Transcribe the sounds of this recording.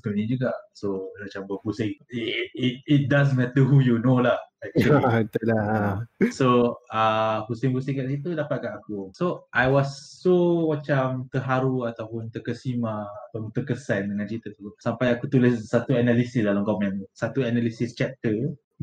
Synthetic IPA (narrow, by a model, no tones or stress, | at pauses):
t̪unĩd͡ʒuɡaʔsomat͡ʃambəbusɪŋ̚it̚it̚das̬mɛt̪əɦujunolahɛk̚t͡ʃulit̪əla | soəhusɪŋbusɪŋkaʔsit̪udapat̪̚kanakusoʔajwɔsːomat͡ʃamt̪əɦaɾuat̪awpʊnt̪əkəsimaːt̪awpʊnt̪əkəsandəŋãnt͡ʃit̪ət̪usampajakut̪ulɪsːat̪uanalisisdalamkɔmɛ̃nsat̪uanalisist͡ʃɛp̚t̪ə